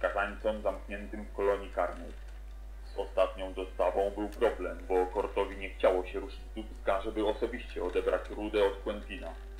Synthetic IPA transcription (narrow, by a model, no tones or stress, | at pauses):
kazaɲt̪sɛmzamkɲɛnt̪ɘmfkɔlɔɲikaɾnɛ̰j | z̥ɔst̪at̪ɲɔ̃w̃zɔst̪avɔ̃w̃bɘwpɾɔblɛmbɔkɔɾt̪ɔvʲiɲɛxt͡ɕawɔɕɛɾuʂɘd͡ʑd̪upskaʐɛbɘɔsɔbʲiɕt͡ɕɛɔd̪ɛbɾa̰t͡ɕɾud̪ɛɔt̪kwɛnvʲina